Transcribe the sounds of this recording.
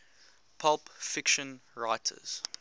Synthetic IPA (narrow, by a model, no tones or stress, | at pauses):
pʰalˠpfɪkʃə̃nɹaɪtʰə̰z̥